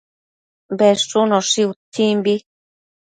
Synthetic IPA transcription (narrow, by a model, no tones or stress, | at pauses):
bɛsunɔʂiut̪ʰːimbi